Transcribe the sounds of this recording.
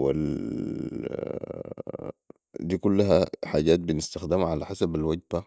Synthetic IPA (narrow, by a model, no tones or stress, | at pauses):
wḭl | d̪iːkulːaɦaħaːɟaːt̪̚binɪst̪axd̪ɪmʕalaħasabalwaɟba